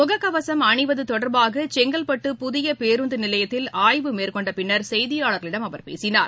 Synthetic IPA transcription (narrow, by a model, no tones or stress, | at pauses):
mʊɣɐkːɐʋɐsɐmɐɳɪʋɐðɯt̪ɔɽɐɾbaːɣɐt͡ʃɛŋɡɐlpɐʈːɯpʊðɪjɐpeːɾund̪ɯnɪlɐjɐt̪ːɪlaːjʋɯmeːrkɔɳɖɐpɪnːɐɾsɛjðɪjaːɭɐɾɣɐɭɪɽɐmɐʋɐɾpḛːsɪna̰ːɾ